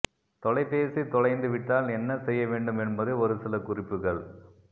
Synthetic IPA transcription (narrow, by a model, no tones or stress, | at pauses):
t̪ɔlɐɪpːeːsit̪ɔɻɐɪnd̪ɯʋɪʈːaːlɛnːɐsɛjːɐʋeːɳɖɯmɛnbɐðɯɔɾɯsɪlɐkʊrɪpːɯɣɐɭ